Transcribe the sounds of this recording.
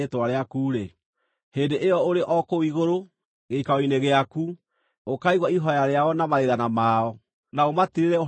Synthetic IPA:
etwaɾeakuːɾe | heːndeʔejɔoɾeʔɔkoiɣoɾo | ɣeikaɔoineɣeaku | okaiɣwaiɦɔjaɾeaɔnamaɾeðanamaːɔ | naomatiɾeɾɛo

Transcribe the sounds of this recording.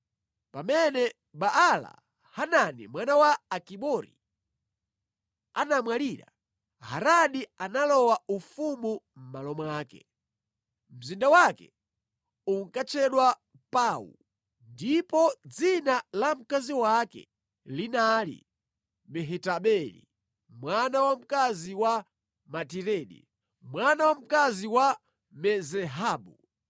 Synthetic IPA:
pamɛnɛ | ɓaʔala̰ | hananḭmwanawaːkiɓɔɾḭ | anamwaliɾa̰ | ha̰ɾaɗianalɔwaufumu | m̩malɔmwaːkɛ̰ | m̩zindawakɛ̰ | uŋkat͡ʃʰɛɗwa | paːwṵ | ndipɔd͡zinalam̩kaziwakɛ̰ | linalḭ | mɛɦɛtaɓɛlḭ | mwanawam̩kaziwa | matiɾɛːɗḭ | mwanawam̩kaziwa | mɛzɛɦaːɓu

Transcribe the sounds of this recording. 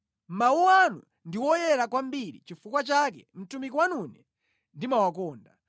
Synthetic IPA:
mauwanṵ | ndiwɔjɛɾakwambiɾḭt͡ʃifukwat͡ʃakɛ̰m̩tumikwanunɛ | ndimawakɔːnda

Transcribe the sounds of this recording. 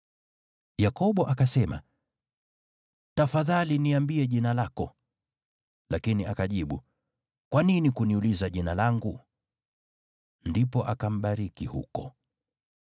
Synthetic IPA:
jakɔɓɔʔakasɛma̰ | tafaðaliniambiɛʄinalakɔ | lakiniʔakaʄiɓu | kwaninikuniulizaʄinalaŋɡu | ndipɔʔakam̩ɓaɾikihṵkɔ

